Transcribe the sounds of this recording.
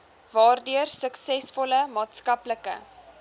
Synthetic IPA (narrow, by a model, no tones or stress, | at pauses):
vɑːrdyərsəksɛsfɔləmɑːtskɐpləkə̰